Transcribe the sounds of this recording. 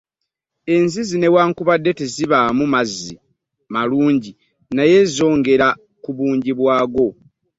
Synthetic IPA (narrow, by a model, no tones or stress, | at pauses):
e̞nzizine̞waːŋkuβadːe̞tiziβamumazːi | maluːɲɟi | naje̞zo̞ːŋɡe̞ɾa | kuβuːɲɟiβwaːɡo̞